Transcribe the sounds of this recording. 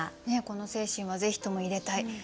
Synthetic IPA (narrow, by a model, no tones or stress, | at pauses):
ne̞ko̞no̞se̞ːɕĩɰ̃βaze̞çi̥t̪o̞mo̞iɾe̞t̪ai